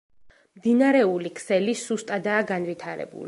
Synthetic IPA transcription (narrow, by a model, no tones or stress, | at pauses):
md̪inaɾɛulikʰsɛlisust̪ʼad̪aːɡanvit̪ʰaɾɛ̰bṵlḭ